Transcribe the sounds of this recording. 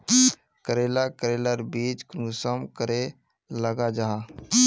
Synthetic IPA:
kəɾelakəɾeləɾbiːt͡ʃknusəmkəɾe | ləɡad͡ʒaɦa

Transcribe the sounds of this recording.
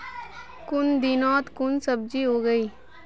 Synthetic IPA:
kʊnd̪iːnɔːt̪kʊnsəb̚d͡ʒiːɦoːɡəiː

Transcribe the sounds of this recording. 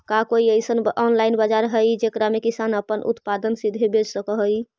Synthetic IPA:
kakoiəjsənɔnlainbad͡ʒaɾɦəjd͡ʒekɾamekisanəpənʔṵt̪pad̪ənsid̪ʱebed͡ʒsəkəɦəj

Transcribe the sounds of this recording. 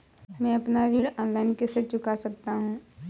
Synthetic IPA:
mɛ̃ːɐpnaɾiːɽɔ̃ːnlaːɪnkeset͡ʃʊkasɐk̚t̪aɦũː

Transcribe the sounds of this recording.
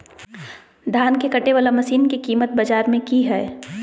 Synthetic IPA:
d̪ʱaːnkekɐʈeʋaːlamɐsiːnkikiːmət̪̚bɐd͡ʒaːɾmẽkiɦɛː

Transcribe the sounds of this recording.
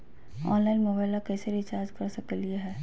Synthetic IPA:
ɔ̰ːnlaːɪnmoːbaːɪlakɛːseɾɪt͡ʃaːd͡ʒkɐɾsɐkəlieɦɛː

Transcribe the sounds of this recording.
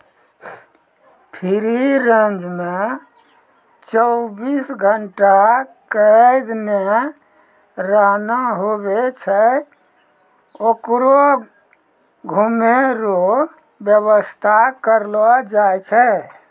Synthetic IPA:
pʰiɾiɾə̃nd͡ʒme | t͡ʃəʊbisɡʱəɳʈakəd̪ne | ɾəɦnaɦobet͡ʃʰɛ | okɾo | ɡʱumeɾo | bjəβəst̪ʰakəɾlɔd͡ʒajt͡ʃʰɛ

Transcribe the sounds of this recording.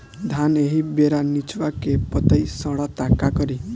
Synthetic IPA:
d̪ʱaneɦibeɾanit͡ʃʋakepɔt̪əjsɔɽɔt̪akakɔɾi

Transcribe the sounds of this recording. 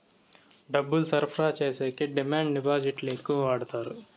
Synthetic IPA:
ɖɐbulsɐɾpʰɾaːt͡ʃeːseːkeɖɪmãːɳɖnɪbaːd͡ʒɪʈleːkũːʋaːɽt̪aːɾ

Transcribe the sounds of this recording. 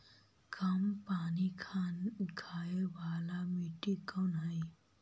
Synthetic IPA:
kɐmpaːnikʰanɡʱajebʱaːlamiʈikənɦəj

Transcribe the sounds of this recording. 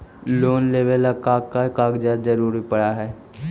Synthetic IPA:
loːnleːʋelakaːkːakaːɡd͡ʒaːd̪d͡ʒɐɾuːɾipɐɽaɦɛː

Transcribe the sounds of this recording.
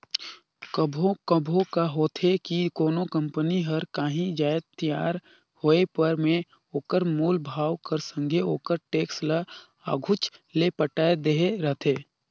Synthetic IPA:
kəbʱokəbʱõkaɦoːt̪ʰekikoːnokə̃mpəniɦɐɾkaːɦĩd͡ʒaːt̪ijaːɾ | hoːepəɾmẽ | oːkəɾmuːlbʱaːwkəɾsə̃ŋɡʱeoːkəɾʈeːkslə | a̰ːɡʱʊt͡ʃlepəʈaːed̪eɦeɾət̪ʰeː

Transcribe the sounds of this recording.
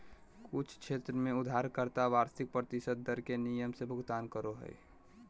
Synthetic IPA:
kʊt͡ʃʰkʃʰeːt̪ɾəmẽʊd̪ʱaːɾkəɾt̪aʋaːɾsɪk̚pɾət̪ɪsəd̪̚ːəɾkenijəmsebʱʊɡt̪aːnkəɾoɦə̰ḭ

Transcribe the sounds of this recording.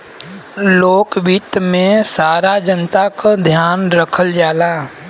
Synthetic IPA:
loːkʋit̪mẽsaːɾad͡ʒənt̪akad̪ʱjaːnɾəkʰəld͡ʒaːla

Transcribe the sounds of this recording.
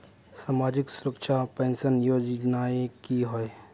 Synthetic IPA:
saːmaːd͡ʒɪksʊɾəkʃapẽːnsənjoːd͡ʒnaːekiɦoe

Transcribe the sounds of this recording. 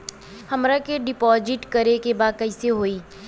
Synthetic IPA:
hɐmɾakeɖɪpɔːzɪʈkɐɾekebaːd̪̚kɐɪseɦoːiː

